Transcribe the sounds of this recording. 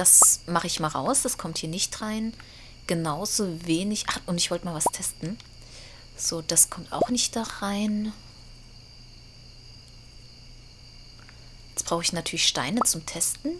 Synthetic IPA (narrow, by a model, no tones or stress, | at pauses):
d̥asmaχəɪçmaːlʁa̰ʊsd̥askʰɔmthiːɐnɪçtʁ̥aɪn | ɡ̥ənaʊzoːveːnɪçʔaʊntɪçv̥ɔltəmaːlvastʰɛstn̩ | z̥oːd̥askʰɔmtʔa̰ʊxnɪçtd̥aʁaɪn | jɛt͡sb̥ʁ̥aʊxɪçnatʰyːɐlɪçʃta̰ɪnət͡sʊmtʰɛstn̩